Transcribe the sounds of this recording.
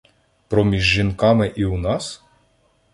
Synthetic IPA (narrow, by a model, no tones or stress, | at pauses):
pɾɔmʲiʒːinkɑmɪʔiwnɑs